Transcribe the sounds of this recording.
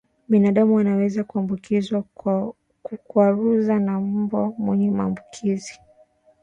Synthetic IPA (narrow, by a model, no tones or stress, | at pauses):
ɓinaɗamuwanawɛzakuambukizwa | kuaɾuzanabamwɛɲɛmaːmbukʰizi